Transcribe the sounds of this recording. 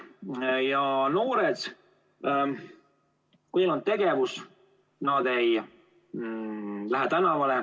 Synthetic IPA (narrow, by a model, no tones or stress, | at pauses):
jɑno̞ːɾed̪̥ | kujelon̚t̪e̞ɡe̞vus | nɑd̪ej | læɦet̪ænɑvɑle